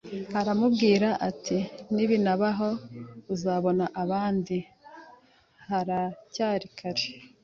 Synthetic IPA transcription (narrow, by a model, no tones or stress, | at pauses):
haɾamubɡiːɾaʔatʰiniβinaβaɦo̞uzaβo̞naʔaβaːndi | haɾacaːɾikʰaɾe